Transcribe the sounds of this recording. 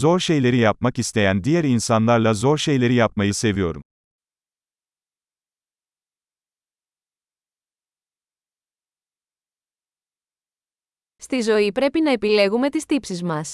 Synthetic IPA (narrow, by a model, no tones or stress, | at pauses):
zo̞ɾʃe̞jlʲe̞ɾijap̚macist̪e̞jænd̪ijæɾinsanlˠaɾlˠazo̞ɾʃe̞jlʲe̞ɾijapmajise̞vijo̞ɾṵm | st̪izo̞ipɾe̞pinɐe̞pile̞ɣume̞t̪ist̪ipsizmɐs